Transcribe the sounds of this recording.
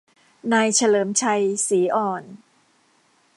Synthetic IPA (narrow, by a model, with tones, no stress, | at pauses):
naː˧jt͡ɕʰa˧lɤː˩˦mt͡ɕʰa˧jsiː˩˦ʔɔː˧˨˩n